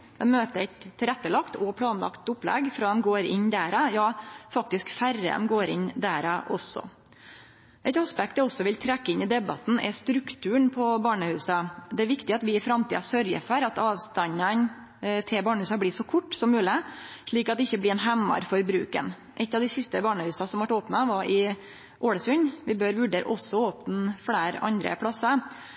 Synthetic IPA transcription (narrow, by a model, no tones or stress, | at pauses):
ɛmøːt̪əɾɛɪt̪ʰːɪlɛt̪ːəlɑkt̪ɔpʰlɑːnlɑ̰kt̪ʊplɛ̰ɡfɾɑːd̪ɛmɡoːɾɪnd̪æːɾɑjɑːfɑk̚t̪ɪskfæɾə̰dɛ̰mɡoːɾɪ̰nd̪æɾɑʔɔsːɔ̰ | ʔɛɪt̪ɑspɛkt̪əɔsːɔʋɪlt̪ʰɾɛkːəɪnɪd̪ɛbɑt̪n̩ʔɛ̰st̪ɾʉkt̪ʰʉːəɳpʰɔbɑːɳəhʉːsɑd̪ɛæɾʋɪkt̪ɪɑt̪ʋɪɪfɾɑmt̪ʰḭːɑsœɾjə̰fɔɾɑt̪ɑːʋst̪ɑɲɑn | t̪ʰɪbɑːɳəhʉːsɑblɪːʂɔkʰʊʈːsɔmːʉːlɪʂɭiːkɑt̪̚d̪ɛɪçːəblɪɾɛnɦɛmːɑ̰ɾfɔɾbɾʉ̰ːkə̰n | ʔɛt̪ːɑʋd̪ɪsɪst̪əbɑːɳəhʉːsɑsɔmʋɑʈoːpnɑʋɑɾʔɪ | ʔoːɽəsʉɲʋɪbøːɾʋʉɖeːɾə̰ʔɔsːɔoːpnfɽæːɾɑ̰nd̪ɾə̰pʰɽɑsːɑ